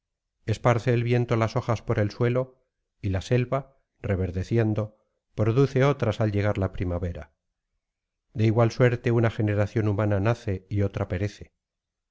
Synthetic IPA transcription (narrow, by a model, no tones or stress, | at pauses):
e̞spaɾθe̞ːlβje̞nt̪o̞laso̞xaspo̞ɾe̞lswe̞lo̞ | ilase̞lβa | re̞βe̞ɾðe̞θje̞nd̪o̞ | pɾo̞ðuθe̞o̞t̪ɾasalʝe̞ɣ̞aɾlapɾimaβe̞ɾa̰ | d̪e̞iɣwalswe̞ɾt̪e̞unaxe̞ne̞ɾaθjo̞numãnanaθe̞io̞t̪ɾapeɾe̞θe̞